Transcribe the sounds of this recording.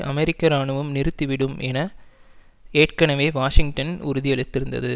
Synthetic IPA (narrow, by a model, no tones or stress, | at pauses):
ʔɐ̰mɛɾɪkːɐɾaːɳɯʋɯmnɪɾɯt̪ːɯʋɪɽɯmʔɛnɐ | eːʈkɐɳɐʋeːʋaːʂɪŋɡʈɐnʊ̰ɾʊðɪjɐɭɯt̪ːɪɾɯnd̪ɐ̰ðɯ